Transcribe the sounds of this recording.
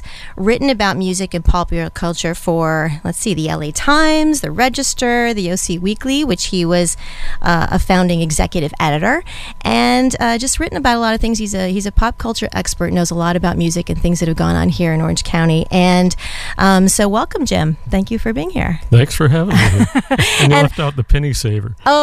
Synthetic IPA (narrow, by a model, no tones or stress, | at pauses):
ɹɪʔn̩ɨbaʊt̚mjʉzɨkɨ̃npʰɑpjl̩ˠə˞kʰʌlˠt͡ʃə˞fə˞lətsiðiɛ̰lˠeɪtʰãɪ̃mzðɨɹɛd͡ʒɨstə˞ðɨoʊsiwikliwɨt͡ʃhiwʌzʔʌə̰fãʊ̃ndɪ̃ŋɨɡzɛ̰kjɨɾɨvɛ̰ɾɨɾə˞ | ʔɨ̃nʌd͡ʒʌst̚ɹɪʔn̩ɨbaʊɾəlɔɾʌv̥θɪ̃ŋz̥hizɨhizɨpʰɑp̚kʰʌlˠt͡ʃə˞ʔɛ̰kspə˞tⁿnoʊzəlɔɾɨbaʊt̚mjʉzɨkɨ̃nθɪ̃ŋzðɨt̚hɨvɡɔ̰̃ñə̰̃nhiɹɨ̃nɔ̰ɹɨ̰̃nʒ̥kʰãʊ̃ɾ̃iʔɨ̃nʔʌ̃msoʊwɛlˠkə̃md͡ʒɪ̰̃mθæ̃ŋkjɨfə˞biɪ̃ŋhḭɹθæ̃ŋksfə˞ɦævɪ̃ŋɨɨ̃njɨ̃lɛftaʊt̪̚ðɨpʰɪniseɪvə̰˞o